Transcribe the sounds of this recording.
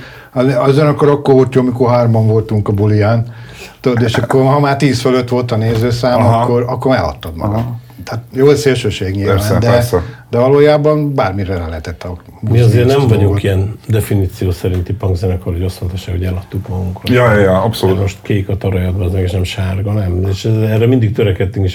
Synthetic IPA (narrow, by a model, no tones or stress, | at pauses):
ɒzeɒzɛnɒkːoɾɒkːorɦolt̪joːmikorɦaːrmbɒɱvo̞lt̪uŋkɒbulijaːnt̪od̪od̪eːʃɒkːorɦɒmaːrt̪iːsføløt̪ʋo̞lt̪ɒneːzøːsaːmɒkːo̞ɾɒkːormɛlɒ̰t̪ːɒd̪mɒ̰ɡɒ̰d̪ | t̪at̪joːlseːlʃøːʃeːɡɲilɛʋand̪ɛd̪ɛvɒloːjaːbɒnbaːrmiɾɛlɛlɛɦɛt̪ɛt̪ːɒ | bmiɒzeːɾnɛmvɒɟuŋkiɛnd̪ɛfiniːt̪sijoːsɛɾint̪ipɒŋɡzɛnɛkohoɟɑsont̪ɑʃːaːkoɛlɒt̪ːukouŋkrjjpsomoʃt̪keːkɒt̪ɒɾɒjɒd̪bɒzmɛɡeʃnɛmʃaːrɡɒnɛmeːʃɛrɛmind̪ik̚t̪øɾɛkɛt̪ːyŋkeʃ